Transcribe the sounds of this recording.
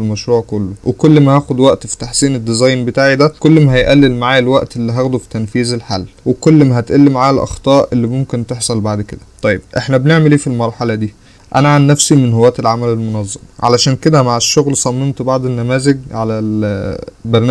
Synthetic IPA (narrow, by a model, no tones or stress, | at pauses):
lmæʃɾuːʕkolːowʔekolːmæhæːxod̪wæʔt̪fi̥t̪aħsiːned̪ːezɑjnbet̪aːʕid̪ækolːmæɦæjʔælːelmaʕaːjælwæʔt̪elːiɦæːɣd̪ufi̥t̪ænfiːzelħa̰lːwekolːmæɦæt̪ʔælːemʕaælʔɑ̰xt̪ˤɑːʔʔelːimomkent̪eħsˤɑlbaʕd̪ked̪æt̪ˤɑjːeb̚ʔeħnæbneʕmeliːfilmɑɾˤħɑlɑd̪iː | ʔæ̰næʕanːæfsimenɦowːæːt̪elʕamælelmonɑzˤːɑmʕa̰læʃæːnked̪æmaʕeʃːoɣlsˤɑmːemt̪bɑʕd̪ˤenːæmæːzeɡʕalæl | bæɾˤn